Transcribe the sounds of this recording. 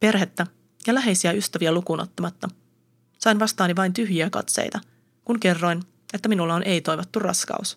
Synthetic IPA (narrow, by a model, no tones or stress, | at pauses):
pe̞rɦe̞t̪ːæ | jɑlæɦe̞jsiæyst̪æʋiælukuːno̞t̪ːɑmɑt̪ːɑ | sɑjnʋɑst̪ɑːniʋɑjnt̪yɦjiækɑ̰t̪sḛjt̪ɑ | kunke̞rːo̞jn | e̞t̪ːæminulːɑonʔe̞jt̪o̞jʋo̞t̪ːurrɑ̰skɑ̰us